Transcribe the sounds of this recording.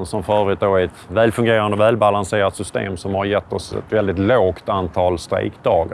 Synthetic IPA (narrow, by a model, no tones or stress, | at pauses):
nsɔmfœːɾɾʉːt̪̚d̪oɛt̪væːlfɵŋɡeːɾand̪əɔvæːlbalanseːɾat̪sʏst̪ḛːmsɔmhaɾjɛt̪ːɔsɛ̰t̪vɛld̪ɪt̪loːkt̪ant̪ʰɑːlst̪ɾḛɪkd̪ɑːɡ